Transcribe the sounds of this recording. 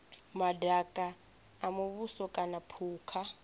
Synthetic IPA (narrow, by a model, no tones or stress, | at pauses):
madakʼaː | muβusɔkʼanapʰuːkʰa